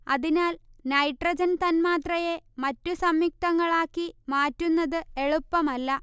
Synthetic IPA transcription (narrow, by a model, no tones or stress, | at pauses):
ɐðinaːlnɐjʈrɐd͡ʑɐnt̪ɐnmaːt̪rɐje̞mɐtːusɐmjik̚t̪ɐŋːɐɭaːkːimaːtːunːɐðɨe̞ɭupːɐmɐlːɐ